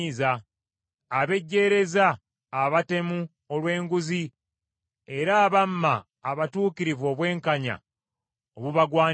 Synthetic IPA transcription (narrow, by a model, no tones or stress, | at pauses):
izaː | βe̞ɟːe̞ːɾe̞zaː | βate̞mu | olwe̞ːŋɡuzi | e̞ɾaːβamːaː | βatuːkiɾivo̞ːβwe̞ːŋkaɲa̰ | oβuβaɡwaː